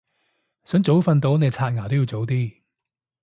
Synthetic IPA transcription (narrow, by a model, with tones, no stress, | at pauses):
sœː˨˥ŋt͡so˨˥wfɐ˧nt̪o˨˥wne˨˧t͡sʰaː˧t̚ŋaː˨˩t̪o˥wjiː˧wt͡so˨˥wt̪̬iː˥